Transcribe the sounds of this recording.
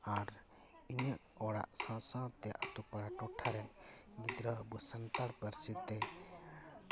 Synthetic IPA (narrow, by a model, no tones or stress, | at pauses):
aɾ | iɲəʔɔɽa̰ʔsãsãt̪ɛʔat̪upaɽaʈɔʈʰːaɾɛnɡid̪ɾəəbusant̪aɽpəɾsid̪t̪ɛ